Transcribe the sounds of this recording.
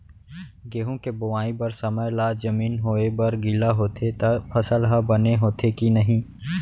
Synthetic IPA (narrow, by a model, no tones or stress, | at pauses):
ɡeːɦõkebʊʋaːĩbɐɾsəməjlaːd͡ʒəmiːnɦoːebɐɾɡɪlaɦoːt̪ʰet̪pʰɐsəlɦabɐneɦoːt̪ʰekinɐɦĩː